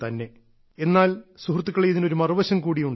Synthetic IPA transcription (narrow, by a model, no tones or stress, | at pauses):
t̪ɐnːe̞ | enːaːlsuhrt̪̬ːukːɐɭejiðino̞ɾumɐrʋɐɕɐmkuːɽijuɳɖ